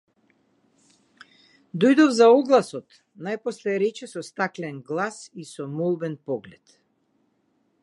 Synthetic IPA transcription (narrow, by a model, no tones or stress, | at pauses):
d̪ɔjd̪ɔvzaɔɡlˠasɔt̪ | najpɔslɛɾɛt͡ʃɛsɔst̪aklɛnɡlˠasisɔmɔlˠbɛnpɔɡlɛt̪